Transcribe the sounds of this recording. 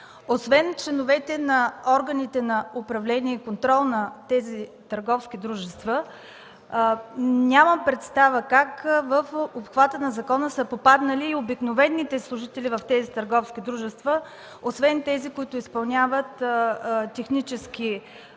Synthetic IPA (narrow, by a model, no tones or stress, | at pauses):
osvɛnt͡ʃlɛnovɛt̪ɛnɐɔɾɡənit̪ɛnɐʊpɾɐvlɛniɛikont̪ɾɔlˠnɐt̪ɛzit̪əɾɡɔfskʲid̪ɾuʒɛst̪və | nʲaməpɾɛt̪st̪avəkakvəfopxvat̪ənɐzɐkɔnəsəpopad̪nəliːobiknovɛnːit̪ɛslˠʊʒit̪ɛlʲivɐft̪ɛzit̪ɐɾɡɔfsk̟ʲid̪ɾuʒɛst̪və | osvɛnt̪ɛzikʊit̪ʊispɐlˠnʲavət̪ | t̪ʲɛxnit͡ʃɛsk̟ʲi